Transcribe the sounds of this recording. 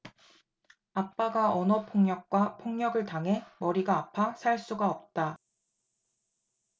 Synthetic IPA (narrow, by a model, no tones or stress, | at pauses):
ap͈aɡaʔʌnʌpʰoŋɲjʌk̚k͈wapʰoŋɲjʌɡɯɭtaŋɦe̞mʌɾiɡaːpʰasʰaɭs͈uɡaʌp̚t͈a